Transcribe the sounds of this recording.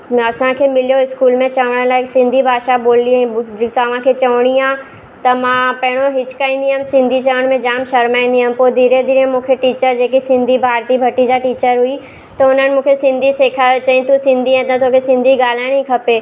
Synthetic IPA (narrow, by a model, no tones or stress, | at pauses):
ɐsãkʰemɪlijoɪskuːlmẽt͡ɕɐʋəɽ̃əlaːɪksɪ̃nd̪ʱibʱaːʃaboːlĩt̪ɐʋ̤ãkʰet͡ɕɐʋɽ̃iãː | t̪ɐmãpɐɦɪɽ̃oɦɪt͡ʃkaːĩːn̆d̪iɦãːmsɪ̃nd̪ʱit͡ʃɐʋəɽ̃mẽd͡ʒaːmʃɐɾmaːĩnd̪iɦãːmpod̪ʱiːɾed̪ʱiːɾemũːkʰeʈiːt͡ɕəɾd͡ʑeːk̬isɪ̃nd̪ʱibʱaːɾt̪iːbʱɐʈid͡ʑaʈiːt͡ɕəɾɦui | t̪ɐʊn̤ənɪ̆mũːkʰesɪ̃nd̪ʱiseːkʰat͡ɕaĩt̪usɪ̃nd̪ʱiɦãt̪ɐ̃t̪oːkʰesɪ̃nd̪ʱiɡaːl̤aːɽ̃ĩkʰɐpeː